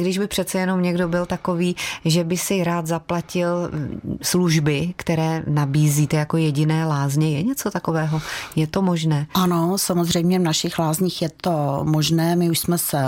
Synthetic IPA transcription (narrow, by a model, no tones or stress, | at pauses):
ɡdɪʒbɪpr̝̥ɛt̪t͡sɛjɛnomɲɛɡdo̞bɪlt̪ako̞viːʒɛbɪsɪɾaːt̪zaplacɪlsluʒbɪkt̪ɛɾɛːnabiːziːt̪ɛjako̞jɛɟɪnɛːlaːzɲɛjɛɲɛt͡so̞t̪ako̞vɛːɦo̞jɛt̪o̞moʒnɛːʔanosamozr̝ɛjmɲɛvnaʃɪxlaːzɲiːxjɛt̪omoʒnɛːmɪuʃsmɛsɛ